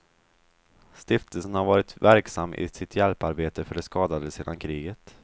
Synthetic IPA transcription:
st̪ɪft̪əlsənhaɾvɑːɾɪt̪væɾksamːʔɪ̰sɪt̪ʰjɛlpaɾbeːt̪əfœɖɛskɑːd̪ad̪əseːd̪ankʰɾiːɡət̪

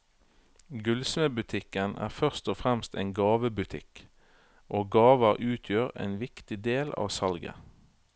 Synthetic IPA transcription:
ɡʉlsməːbʉt̪ʰɪkənʔæ̰ːʁfœʁst̪ɔfʁɛmst̪eːnɡɑːʋəbʉt̪ʰɪ̰k | ʔoːɡɑːʋəʁʔʉːt̪ʰjøːʁḛːnʋɪkt̪ɪd̪eːlɑ̰ːʋsɑlɡə̰

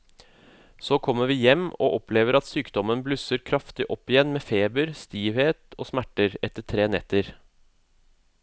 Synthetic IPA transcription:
soːkʰɔmːəʋiːjɛmːo̰ːʔɔpʰleːʋəɾɑt̪syːkd̪ɔmənblʉsəɾkʰɾɑft̪ɪʔɔpːɪjɛnmeːfeːbəɾst̪iːʋheːt̪oːsmæʈəɾɛt̪ːəʈʰɾeːnɛt̪ːəɾ

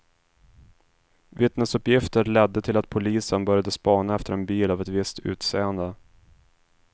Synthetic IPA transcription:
vɪt̪nəsɵpjɪft̪əɾɭɛd̪ːət̪ʰɪlat̪̚pʰʊliːsənbœɾjad̪əspɑːnaɛft̪əɾɛnbiːlavɛt̪vɪst̪ʰʉ̟ːt̪seːənd̪ə

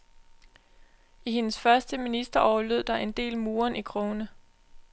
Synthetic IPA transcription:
ʔihe̝nəsfɶɐsd̥əminisd̥ɐʔɒʊɐløð̞̰ˠd̥ɑ̈ʔe̝nd̥e̝̰ːlmuːɐnʔikʰʁoːnə

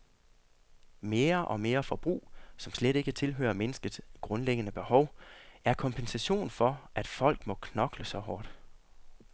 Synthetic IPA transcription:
me̝ːɐʔɒ̽me̝ːɐfɒ̽b̥ʁṵːsɒ̽msleɾ̥e̝ɡ̥ət͡sʰe̝lɦø̰ːɐmenəsɡ̥əð̥sɡ̥ʁɔ̽nleɡ̥ənəb̥e̝hɒ̽ʊæɐkʰɒ̽mpʰensæɕo̝̰ːnfɒ̽ʔæd̥fɒ̽l̰ɡ̥mɒ̽kʰnɒ̽ɡ̥ləsɒ̽hɒːd̥

